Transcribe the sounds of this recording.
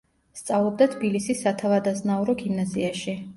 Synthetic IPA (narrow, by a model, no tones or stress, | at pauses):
st̪sʼavlˠɔb̚d̪at̪ʰbilisisːat̪ʰavad̪aznauɾɔɡimnaziaʃi